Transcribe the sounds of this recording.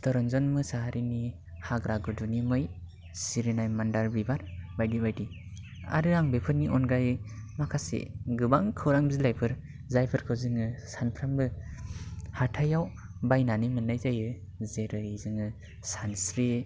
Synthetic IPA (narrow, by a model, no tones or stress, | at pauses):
stɔɾɔnzɔnmɯsaɦaɾʔini | haɡɾaɡɯdunimɯj | siɾinajmandaɾbibaɾbajdibajdi | a̰ɾɯɾaŋbepʰɯɾniʔɔnɡajmakʰasḛɡɯbaŋkʰɯwɾaŋbizilajpʰɯɾ | zajpʰɯɾkʰɯwzɯŋɯsanpʰɾambɯ | hatʰajaw | bajnanimɯnːajzajɯ | zeɾɯizɯŋɯ | sansɾi